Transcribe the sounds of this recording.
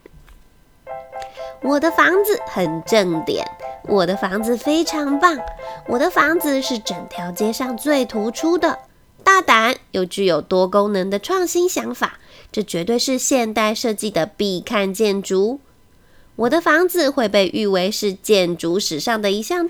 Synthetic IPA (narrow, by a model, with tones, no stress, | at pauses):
wɔ˨˩d̪ə˦fɑ˧˥ŋd͡zɹ̩˨xə˨˩nʈ͡ʂɤ˥˩ŋt̪jɛ̰˨˩˦nwʔɔ˨˩d̪ə˦fɑ˧˥ŋd͡zɹ̩˧fe˥ɪʈ͡ʂʰɑ˧˥ŋpɑ˥˩ŋwɔ˨˩d̪ə˦fɑ˧˥ŋd͡zɹ̩˨ʂɻ̩˥˩ʈ͡ʂə˨˩ŋt̪ʰjɑ˧˥ʊt͡ɕjɛ˥ʂɑ˥˧ŋt͡swe˥˩ɪt̪ʰu˧˥ʈ͡ʂʰu˥d̪ə˨ | t̪a˥˩t̪a˧˥njo˥˩ʊt͡ɕy˥˩jo˨˩ʊt̪wɔ˥ko˥ŋnə˧˥ŋd̪ə˧ʈ͡ʂʰwɑ˥˩ŋɕi˥nɕjɑ˧˥ŋfa̰˨˩˦ʈ͡ʂɤ˥˩t͡ɕɥɛ˧˥t̪we˥˧ɪʂɻ̩˥˧ɕjɛ˥˧nt̪a˥˧ɪʂɤ˥˧t͡ɕi˥˩d̪ə˩pi˥˧˩kʰa˥˧nt͡ɕjɛ˥˩nʈ͡ʂu˧˥ | wɔ˨˩d̪ə˦fɑ˧˥ŋd͡zɹ̩˧xwe˥˧ɪpe˥˧ɪʔy˥˧we˥˧ɪʂɻ̩˥˧t͡ɕjɛ˥˩nʈ͡ʂu˧˥ʂɻ̩˨˩ʂɑ˥˩ŋd̪ə˩i˧˥ɕjɑ˥˧ŋ